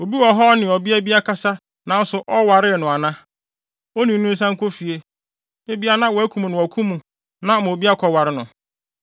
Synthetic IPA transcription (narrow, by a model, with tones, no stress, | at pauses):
o˨bi˦wɔ˨ɦɔ˦nɪ̃˨ɔ˨bi˦æ˦bi˦a˦kʰa˦sa˦ | nã˨˦n̩˦sʊ˨ʔɔ˦wa˨ɾɪ˦ɛ˨nʊ̃˨a˨nã˦ | o˦nĩ˨n̩˦nũ˦n̩˦s̬ã˦ŋ̩˦kʰo˦fi˨e˦ | e˦bi˦a˦nã˦wɔ˨æ˦kʰũ˨m̃˨nʊ̃˨ɔ˨kʰũ˦mũ˨ | nã˦˨m̃˨o˨bi˦a˦kʰɔ˨wa˨ɾɪ˦nʊ̃˨